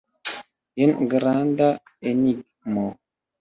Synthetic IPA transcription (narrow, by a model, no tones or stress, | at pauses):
jənɡəɾanda | eniɡ̚ | mɔ